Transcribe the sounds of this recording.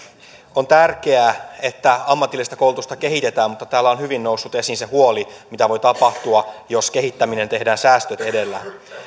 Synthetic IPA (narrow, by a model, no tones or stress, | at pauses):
o̞nt̪ærk̟e̞æe̞t̪ːæɑmːɑt̪ːˑilːˑist̪æko̞ulut̪ust̪ɑke̞ɦit̪e̞t̪æːmmut̪ːɑt̪æːlːæo̞nhyʋinːo̞wsːut̪e̞sinse̞huo̞limit̪æʋo̞jt̪ɑpɑht̪uɑjo̞ske̞ɦit̪ːæmine̞nt̪e̞ɦdæːnsæːst̪øt̪e̞de̞lːæ